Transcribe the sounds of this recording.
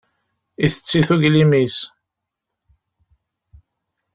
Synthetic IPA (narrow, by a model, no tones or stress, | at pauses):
iθə̥t͡sːiθuʝlimis